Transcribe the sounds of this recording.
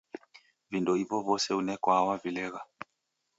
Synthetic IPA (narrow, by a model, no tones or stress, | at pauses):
vindɔivɔvɔsɛunɛkwawavilɛɣa